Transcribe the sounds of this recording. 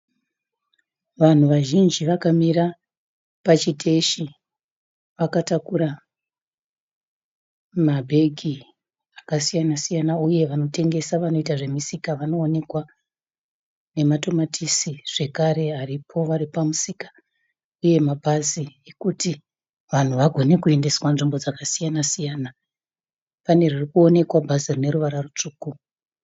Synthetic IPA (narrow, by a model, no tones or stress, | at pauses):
ʋan̤uʋaʒind͡ʒiʋakamiɾa | pat͡ʃitʰe̞ʃi | ʋakatakuɾa | mabʱe̞ɡʱi | akasijanasijanauje̞ʋano̞te̞ŋɡe̞saʋano̞itaʐe̞misikaʋano̞ːne̞kwa | ne̞matomatʰisiʐ̥e̞kaɾe̞aripʰo̞ʋaripamusikḁ | uje̞mabʱaziekuti | ʋan̤uʋaɡʱo̞ne̞kue̞nde̞swanʐimbo̞d͡zakasijanasijaːna | pane̞ririkuo̞ne̞kwabʱazirine̞ɾuʋaɾarut͡ʂuːku